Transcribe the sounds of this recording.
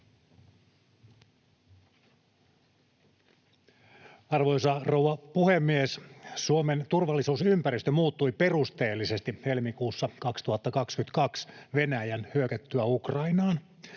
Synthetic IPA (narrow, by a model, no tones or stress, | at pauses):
ɑrʋojsɑrouwɑpuhemːiessuoment̪urʋɑlːisuːsympæɾist̪ømuːt̪ːujpe̞rust̪e̞ːlːise̞st̪ihe̞lmikuːsːɑkɑkst̪uhɑt̪ːɑkɑkskyynt̪kɑksʋe̞næjænhyøkæt̪ːyæukrɑinɑːn